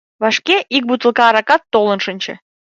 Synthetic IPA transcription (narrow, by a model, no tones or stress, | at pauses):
βɑʃkeʔik̚but̪ə̆lˠkɑːɾɑkɑt̪ːolə̆nʃə̆nʲt͡ɕḛ̆